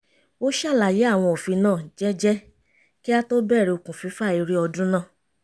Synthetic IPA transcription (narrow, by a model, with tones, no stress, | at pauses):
o˦ʃa˦˨la˨je˨˦a˦˨w̃ɔ̃˧o˨fi˧nãː˦˨d͡ʒɛ˦d͡ʒɛ˦ | ki˦a˦to˦bɛ˦˨ɾɛ˨˧o˧kũ˨fi˨˧˦fa˦˨i˧ɾi˦ɔ˧dũ˦nãː˦˨